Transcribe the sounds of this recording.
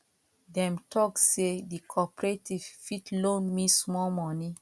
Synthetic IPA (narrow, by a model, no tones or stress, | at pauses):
dɛ̃mtʰɔksedikʰɔpɹetiv̥fitlõnmismɔlmɔni